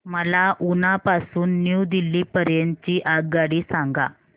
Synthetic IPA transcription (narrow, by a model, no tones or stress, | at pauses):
məlaʔunapasuːnːjud̪ilːiːpəɾjeɲt͡ɕiːʔaɡɡaɽiːsaŋɡa̰